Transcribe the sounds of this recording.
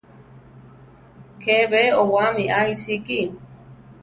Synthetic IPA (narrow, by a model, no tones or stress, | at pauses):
kʰeβeowamiʔaisiki